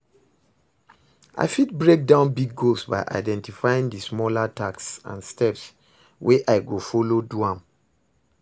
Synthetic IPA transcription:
ʔa̰ɪfitbɹek̚dãʊ̃nbiɡːolsba̰ɪʔa̰ɪdɛ̃ntifajĩŋdismɔlataksã̰nstɛps | wʔeʔaɪɡofɔloduãm

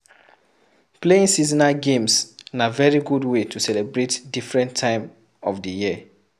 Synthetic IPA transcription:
pleĩnsizinaɡẽmsnavɛɹiɡudwetʰusɛlɛbɹetdifɹɛ̃ntʰãɪ̃m | ɔfdəjiə

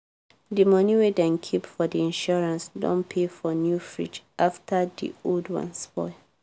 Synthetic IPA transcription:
dimʌniwedɛ̃nkʰipfɔdiĩnʃɔɹãnsdɔ̰̃npʰefɔnjufɹḭt͡ʃʔaftʰədḭoldwã̰nsbɔ̰ɪ

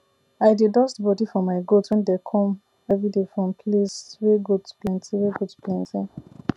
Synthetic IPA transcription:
aɪdedɔstbɔdifɔ̃maɪɡotwɛ̃ndɛkʰɔ̃m | ɛvɹidefɹɔ̃mpʰlesɹeɡotplɛ̃ntiɹeɡotplɛ̃ntĩn

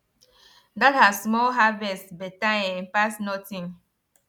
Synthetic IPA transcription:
dat̚hasmɔlɦavɛstbɛtãjɛ̃npasnɔtĩŋ

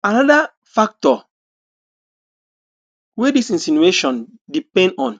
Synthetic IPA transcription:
anɔda | fak̚tɔ | wedisĩnsinueʃɔ̃n | dipɛ̃ndɔ̃n

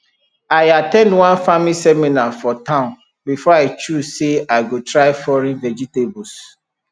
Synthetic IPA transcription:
aɪatɛ̃ndwãnfamilisɛminafɔtãʊ̃n | bifɔaɪt͡ʃuzseaɪɡotɹaɪfɔɾĩnvɛd͡ʒitebus

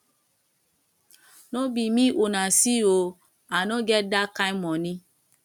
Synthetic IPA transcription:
nɔ̃bimĩʔonãsio | anɔ̃ɡɛdakaimɔ̃nĩ

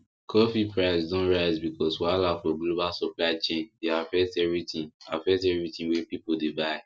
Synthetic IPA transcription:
kʰɔfipʰɹaɪsdɔ̃nɹaɪzbikɔswaɪlafɔɡlobalsɔplaɪt͡ʃẽndeafɛstɛvɹitĩŋafɛstɛvɹitĩnwɛ̃pipodebaɪ

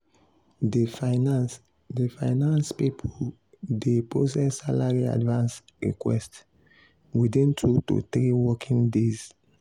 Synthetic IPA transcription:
dfnas | defaɪnãnspipʰɔl | depɹosɛssalaɹia̰dvãns | ɹḭkwɛ̰st | widĩntʰutṵt̪ɾiwɔkʰĩŋdez̥

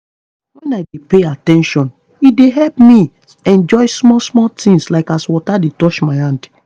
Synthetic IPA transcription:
wɛ̃naɪdepeatɛ̃nʃɔ̃n | ideɦɛlpmi | ɛ̃nd͡ʒɔɪsmɔlsmɔltĩŋslaɪkaswɔtadetɔʃmaɪhãnd

